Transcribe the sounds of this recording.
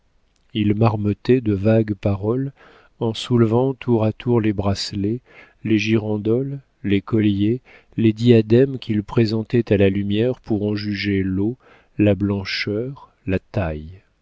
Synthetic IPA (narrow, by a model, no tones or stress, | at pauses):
ilmaʁmət̪ɛd̪əvaɡpaʁɔl | ɑ̃sulvɑ̃t̪ʰuʁat̪uʁlebʁasle | leʒiʁɑ̃d̪ɔlː | ekɔlje | led̪iad̪ɛmkʲʰilpχezɑ̃t̪ɛt̪alalymjɛʁpʰuʁɑ̃ʒyʒelo | lablɑ̃ʃœʁ | lat̪aj